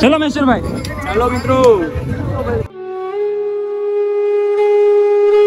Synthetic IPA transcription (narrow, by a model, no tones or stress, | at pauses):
elomesuɾbʱaj | elomit̪ɾu